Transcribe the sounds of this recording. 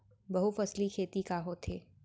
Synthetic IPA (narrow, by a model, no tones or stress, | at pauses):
bɐɦufɐslikʰeːt̪ikaɦot̪ʰeː